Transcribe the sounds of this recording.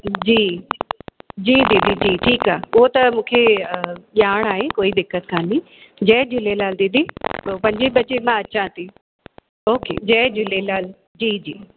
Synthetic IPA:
d͡ʑiː | d͡ʑiːd̪id̪id͡ʑiːʈʰiːkaːʊɦot̪ɐmũːkʰeʄaːɽ̃aːɦekoːid̪ɪkːət̪kʰãːni | d͡ʑɛːd͡ʑɪlelaːld̪id̪ipɐ̃ɲd͡ʑeɓɐt͡ɕemãɐt͡ɕãt̪ʰi | oːkḛːd͡ʑɛːd͡ʑɪlelaːl | d͡ʑiːd͡ʑiː

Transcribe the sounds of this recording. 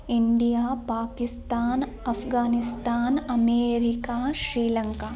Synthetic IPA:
iɳɖijaːpaːkɪst̪aːn | ɐpʰɡaːnɪst̪aːnɐmeːɾikaːʃɾiːlɐŋkaː

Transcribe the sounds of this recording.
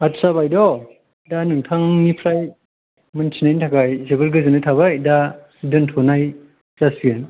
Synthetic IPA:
atsabajdɔ | danuŋtʰaŋnipʰɾaj | mɯntʰinajnitʰakajzebɯlɡɯzɯnɯtʰaβajda | dɯntʰɔnaj | zasbien

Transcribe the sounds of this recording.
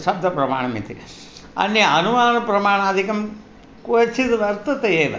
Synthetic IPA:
ʃɐb̚d̪ʱɐpɾɐma̰ːɳ̃ɐmḭt̪ʰḭ | ɐ̰nːjɐɐnumaːnɐpɾɐmaːɳaːd̪ʱikɐm | kuːɐt͡ʃʰit̪ʋɐɾt̪ɐt̪ɐeːʋɐ̰

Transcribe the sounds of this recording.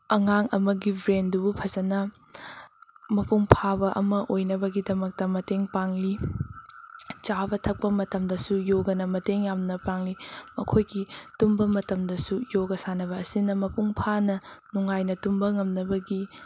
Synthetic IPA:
ɐŋaŋɐmɐɡibɾendubupʰɐzɐnɐ | mɐpʰuŋpʰabɐʔɐ̰mɐʔojnɐbɐɡidɐmɐk̚tɐmɐteŋpaŋli | t͡ʃabɐtʰɐk̚pɐmɐtɐmdɐsujoɡɐnɐmɐteŋjamnɐpaŋlimɐkʰojɡitumbɐmɐtɐmdɐsujoɡɐsanɐβɐːsinɐmɐpʰuŋpʰanɐnuŋajnɐtumbɐŋɐmnɐbɐɡi

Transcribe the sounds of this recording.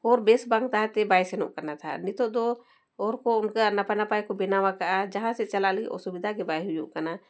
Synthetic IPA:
ɔːɾbeːsbãːŋɡt̪aɦɛt̪ebaːjsenṵʔkənat̪ʰanit̪od̪o | ɔːɾkoʊnkanəpənapaikobɪnawakəad͡ʒəɦãset͡ʃəlalio̰subɪd̪ʱakebaːjɦujṵʔkəna

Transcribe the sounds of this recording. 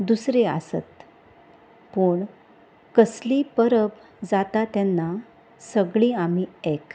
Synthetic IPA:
d̪usɾea̰sə̰t̪ | puːɳ | kəsliːpəɾəp | d͡zat̪at̪janːa | səɡɭiam̤iek

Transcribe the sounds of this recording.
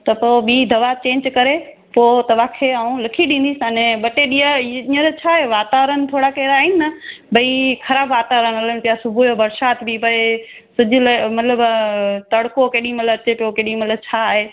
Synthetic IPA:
t̪ɐpoːbiːd̪ʱɐʋat͡ɕẽːɲd͡ʑkɐɾe | poːt̪ɐʋaːkʰeaũlɐkʰiɗĩːnd̪isanẽɓɐʈeɗiəĩːə̃ɾet͡ɕʰaːɦeʋaːt̪aːʋəɾənt̪ʰoːɽakɐɾaːɦinɪnɐbʱɐixɐɾaːbʋaːt̪aːʋɾənɐlənpijasʊbʱojobɐɾʃaːt̪bipɐe | sʊd͡ʑʱʊlmɐt̪ləbt̪ɐɽkokeːɗĩmɐlət͡ɕepokeːɗĩmɐt̪ləbt͡ɕʰaːɦeː

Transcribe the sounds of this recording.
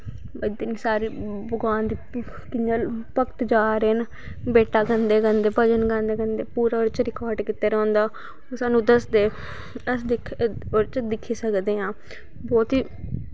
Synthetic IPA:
d̪niːsaːɾiːbəɡaːnd̪iː | kɪaːlpəkt̪d͡ʒaːɾeːn | beːʈaːɡə̃nd̪eːkənd̪eːpəd͡ʒənɡə̃nd̪eːɡənd̪eːpuːɾaːoɾt͡ʃɾɪkaːɾɖkɪt̪ːeːɾɔ̃ːnd̪aː | osaːnũːd̪əsd̪eː | əsd̪ɪkʰoɾt͡ʃd̪ɪkʰːiːsəkd̪eːɦãː | bɔːt̪ɦiː

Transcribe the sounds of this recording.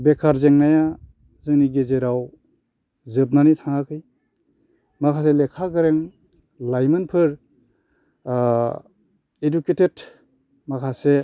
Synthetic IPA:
bekʰaɾzeŋnaja | zɯŋniɡezeɾaw | zɯpnanitʰaŋakʰɯj | makʰaselekʰaɡɯɾeŋ | lajmɯnpʰɯɾ | eduketet | makʰase

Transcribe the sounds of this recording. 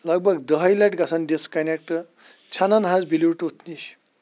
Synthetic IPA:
ləɡ̚bʱəɡd̪əɦəjlaʈɡasanɖ̪eskanek̚ʈə | t͡ɕʰananɦad͡zbiliwuʈut̪niɕ

